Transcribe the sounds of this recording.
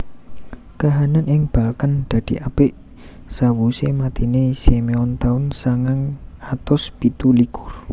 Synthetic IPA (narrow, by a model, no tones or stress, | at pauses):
kaɦananɪŋb̥a̤lkand̪̥ä̤d̪̥i̤ʔab̥ɪʔ | sawusemat̪inesemeɔnt̪aʊnsaŋaŋat̪ʊsb̥it̪ulikʊr